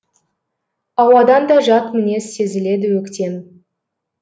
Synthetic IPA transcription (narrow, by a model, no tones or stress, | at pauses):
ɑwɑd̪ɑnd̪ɑʒɑt̪mɪne̞se̞zɪle̞d̪ɪwɵkt̪ʲe̞m